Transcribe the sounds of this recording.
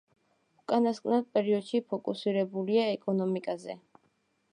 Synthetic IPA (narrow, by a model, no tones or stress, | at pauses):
ukʼanaskʼnad̪̚pʼɛɾiɔd̪̥ʃipʰɔkʼusiɾɛbuliaɛkʼɔnɔmikʼazɛ̰